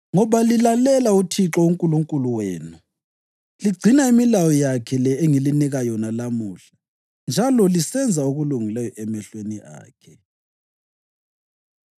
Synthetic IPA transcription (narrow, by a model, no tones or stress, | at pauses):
ŋɔβalilalɛlautʰiǁɔuŋkʼuluŋkʼuluweːnu | liɡ͡ǀʱinaimilawɔjakʰɛlɛeŋiliniɣajɔnalamuːɬḁ | nd͡ʒʱalɔlisɛnd͡zʱaoɣuluŋilɛjɔʔɛmɛɬwenia̰ːkʰɛ